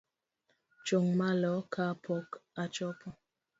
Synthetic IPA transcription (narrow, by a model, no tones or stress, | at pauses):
t͡ʃoŋmalɔkʰapʰɔkat͡ʃɔpɔ